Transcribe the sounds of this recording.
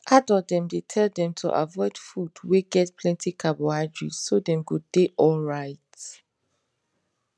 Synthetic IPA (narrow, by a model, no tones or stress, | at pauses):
ʔadɔdɛ̃mdetʰɛldɛ̃mtʰṵʔa̰vɔɪd̥fudweɡɛt̚pʰlɛ̃ntʰikʰaboad͡ʒɹḭsodɛ̃mɡodeʔɔlɹaɪt